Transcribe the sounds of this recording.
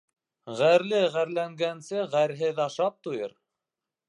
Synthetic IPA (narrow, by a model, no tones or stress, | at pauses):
ʁæɾlɘʁæɾlæŋɡænsɘʁæɾɦɘðɑʃɑp̚t̪ujɤ̰ɾ